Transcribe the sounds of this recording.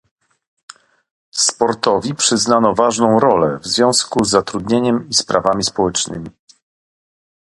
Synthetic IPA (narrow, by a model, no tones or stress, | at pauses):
spɔɾt̪ɔvʲipʂɘznanɔvaʐnɔ̃w̃ɾɔlɛ̰vzvʲjɔ̃w̃skuzːat̪ɾud̪ɲeɲɛmispɾavamʲispɔwɛt͡ʂnɘmʲi